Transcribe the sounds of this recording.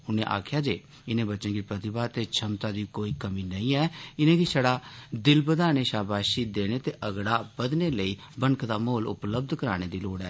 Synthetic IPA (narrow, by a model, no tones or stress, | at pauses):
ʊnẽːʔa̰ːkʰjaːd͡ʒḛː | ɪnẽːbətːʃə̃nkiːpɾət̪ɪbaːt̪eːt͡ʃʰəmt̪aːd̪iːkoːiːkəmiːnəĩːɛːɪnẽːkisəɽaːd̪ɪlbəd̪aːneːʃaːbaːʃiːd̪eːneːt̪eːʔəɡɽaːbəd̪neːləiː | bənkʰd̪aːmoːlʊ̰pləb̚d̪kəɾaːɽ̃eːd̪iːloːɽɛː